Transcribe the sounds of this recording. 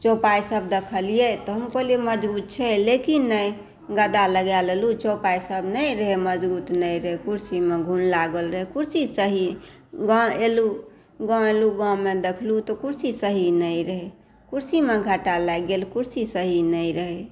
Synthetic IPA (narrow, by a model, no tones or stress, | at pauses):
t͡ʃopajsəb̚d̪ekʰəlijet̪ɔɦəmkolieməd͡ʒbut̪̚t͡ʃʰɛlekinːəj | ɡəd̪aləɡjalelut͡ʃopajsəbnəjɾəɦeməd͡ʒbut̪nəjɾəɦekuɾsimeɡʱunlaɡəlɾəɦekuɾsisəɦi | ɡãelu | ɡãeluɡãmed̪ekʰlut̪ɔkuɾsisəɦinəiɾəɦɛ | kuɾsimeɡʱəʈalajɡelkuɾsisəɦinəiɾəɦe